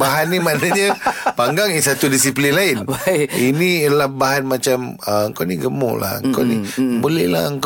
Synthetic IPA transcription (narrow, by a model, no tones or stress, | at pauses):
baɦanːimanaɲəpaŋɡaŋisat̪udisiplinlaɪninilabaɦanmat͡ʃam | əəŋkawniɡəmṵla̰hə̰ŋŋka̰wnibolɛhla̰əŋk